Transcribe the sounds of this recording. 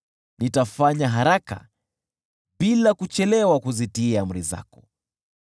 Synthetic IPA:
nitafaɲaɦaɾaka̰ | ɓilakut͡ʃɛlɛwakuzitiam̩ɾiza̰kɔ̥

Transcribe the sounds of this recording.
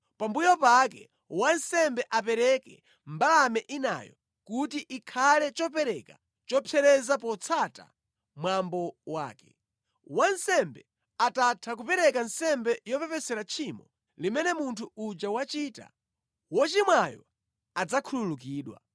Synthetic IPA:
pambujɔpakɛ | wansɛmbɛʔapɛɾɛkɛ | mbalamɛʔina̰jɔ̰ | kutiʔikʰalɛt͡ʃɔpɛɾɛka̰ | t͡ʃɔpʰɛɾɛzapɔt͡sʰata̰ | mwambɔwa̰ːkɛ̥ | wansɛmbɛ | atatʰak̬upɛɾɛkansɛmbɛjɔpɛpɛsɛɾat͡ʃʰimɔ | limɛnɛmuntʰuud͡ʒawat͡ʃita̰ | wɔt͡ʃimwajɔ̰ | ad͡zakʰululuk̬iːɗwa̰

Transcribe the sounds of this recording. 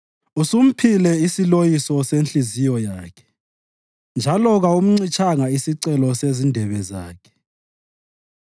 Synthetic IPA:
usum̩pʰilɛisilojisɔsent͡ɬizijɔjaːkʰɛ̥ | nd͡ʒʱalɔɣaum̩ŋ͡ǀit͡ʃʰaŋaisiǀɛlɔsezindʱɛβɛza̰ːkʰɛ̥

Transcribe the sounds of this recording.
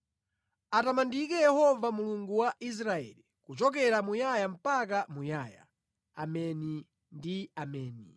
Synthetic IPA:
atamandikɛjɛhɔvamuluŋɡuwaʔis̬ɾaɛ̰li | kut͡ʃɔkɛɾamujajam̩pak̬amujaːja̰ | a̰mɛni | ndiamɛːni

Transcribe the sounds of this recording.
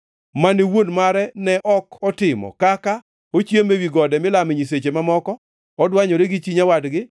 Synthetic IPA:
maniwonmaɾɛnɛʔɔkʰɔtɪmɔ̰kaka | ot͡ʃjemewiɡɔdɛmɪlamɪɲis̬et͡ʃemamɔkɔ | ɔdwaɲɔɾeɡɪt͡ʃiɲawadɡɪ

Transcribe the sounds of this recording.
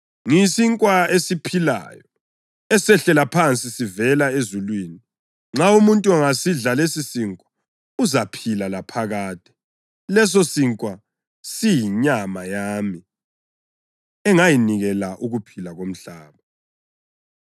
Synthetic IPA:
ŋisiŋkʼwaesipʰila̰ːjɔ | ɛsɛɬɛlapʰant͡sʼisivɛlaezulwiːni | ŋ͡ǁaumuntʼuaŋasiɮalesisiŋkʼwḁ | uzapʰilalapʰaɣaːtʼɛ̥ | lɛs̬osiŋkʼwa | sijiɲamajaːmi | ɛŋajiniɣɛlaʔuɣupʰilaɣom̩ɬaːβa

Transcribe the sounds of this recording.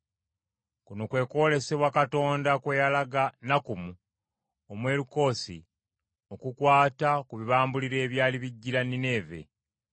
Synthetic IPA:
kunokwe̞ːko̞ːle̞se̞βwakato̞ːndakwe̞jalaɡanakumu | omwe̞ːɾuko̞ːsḭ | o̞kukwaːtakuβiβaːmbuliɾe̞ːβjaːliβiɟːiɾanine̞ːve̞̰

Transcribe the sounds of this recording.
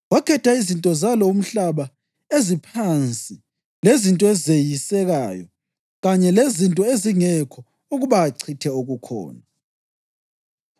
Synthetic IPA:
wakʰɛtʰaizintʼɔzalɔum̩ɬaβa | ezipʰant͡sʼi | lezintʼɔɛzejisɛɣaːjɔ̰ | ɣaɲɛlezintʼɔeziŋɛkʰɔ | uɣuβaːǀʰitʰɛoɣukʰɔ̰ːna

